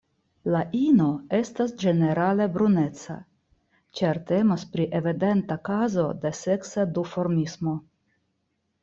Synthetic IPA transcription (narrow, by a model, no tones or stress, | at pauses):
laʔino̞e̞stasd͡ʒe̞ne̞ɾale̞bɾune̞t͡sa̰ | t͡ʃeɾte̞mospɾiʔe̞vide̞ntakazo̞de̞se̞ksadufo̞ɾmismo̞